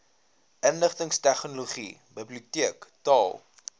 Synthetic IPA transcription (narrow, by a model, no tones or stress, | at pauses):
ʔənləχtəŋstæχnoloχḭbəbliutiəktɑːlˠ